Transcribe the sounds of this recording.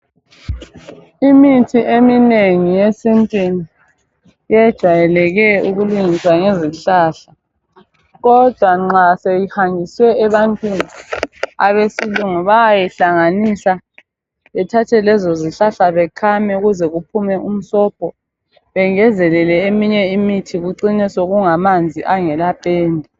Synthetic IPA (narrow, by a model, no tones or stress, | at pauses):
imitʰiʔemineŋijesintʼwini | jɛd̥ʒ̥ʱajɛlɛɣɛuɣuluŋiswaŋeziɬaːɬa | ɣɔd̥ʱwaŋ͡ǁasejihaŋiswɛːβantʼwinia̰βesiluŋɔβajɛɬaŋanisa | βɛtʰatʰɛlɛzoziɬaɬaβɛkʰamɛuɣuzɛɣupʰumɛʔum̩sɔpʰɔ | βɛŋɛzɛlɛlɛemiɲɛimitʰiɣuǀinɛsoɣuŋamand͡zʱiʔaŋɛlapʼɛːndʱɛ